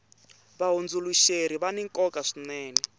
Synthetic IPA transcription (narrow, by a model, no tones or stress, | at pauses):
βaɦond͡zuluʃeɾiβaniŋkʼɔkʼaʂinɛːnɛ